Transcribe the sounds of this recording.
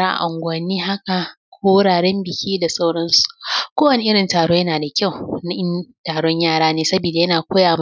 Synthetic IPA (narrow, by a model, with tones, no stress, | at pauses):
aː˦ʔa̰˨ʔʊ˨ŋɡʷɐ˨nːiː˦ɦa˦ka˨ | kʷʰoː˦wʊ˦ɽaː˨ɽɛ˦mbɪ˨kʲiː˦da˨sa˦wɽɐ˦nsu̥˨kʷoː˦wɐ˨nɪ˨ʔɪ˦ɽɪ˨ntaː˨ɽoː˦jɐ˦naː˨da˨kʲa˦˨wna˦ʔɪ˦ntaː˨ɽɔ˦ɲjaː˦˨ɽaː˦neː˦sɐ˦biː˨da˨jɐ˦naː˨kʷoː˦jaː˨m˦